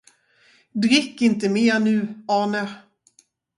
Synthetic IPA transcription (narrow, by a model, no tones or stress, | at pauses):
d̪ɾɪkːɪnt̪əmeːnʉ̟ːɑːnə